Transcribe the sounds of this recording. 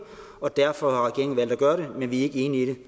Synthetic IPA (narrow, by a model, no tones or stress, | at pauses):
ɒ̽d̥æɐ̰fɒ̽hɑ̈ʁɛɡ̥e̝ɐeŋ̩ʋæl̰d̥æɡ̥ɶːɐɾemenʋiæɐe̝ɡ̥əe̝ːniiɾe̝